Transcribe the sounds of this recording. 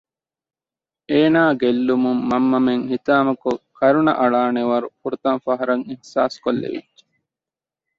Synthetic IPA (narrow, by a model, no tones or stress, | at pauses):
eːnaːɡelːumumːɐmːɐmeŋhit̪aːmɐkukɐɾunɐ̰ʔɐɭaːneʋɐɾukuɾut̪ɐnfɐɦɐɾɐŋihsaːskolːḛʋḭdːe̥